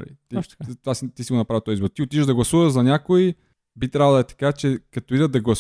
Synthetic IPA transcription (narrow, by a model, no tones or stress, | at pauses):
lḭt̪it̪t̪vasit̪isiɡʊnɐpɾavit̪ɔjizboɾt̪iʊt̪it͡ʃəʒd̪ɐɡlˠɐsuvəʒzɐnʲakoi | bit̪ɾʲavəlˠɛt̪ɐ̥kat͡ʃɛkɐt̪oid̪əd̪d̪ɐɡlˠɐs